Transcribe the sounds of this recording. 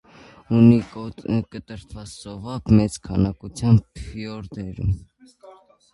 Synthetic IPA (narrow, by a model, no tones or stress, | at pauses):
unikət̪əɾt̪ʰvɑt͡ssɔvɑpmɛt͡skʰɑnɑkut͡sʰjɑmpʰfiɔɾd̪ɛɾṵm